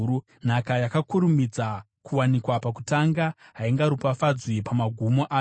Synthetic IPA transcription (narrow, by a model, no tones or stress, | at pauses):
u | n̤akajakakuɾumid͡za | kuwanikwapaku̥taŋɡaɦaiŋɡaɾupafad͡zwipamaɡʱumoʔaː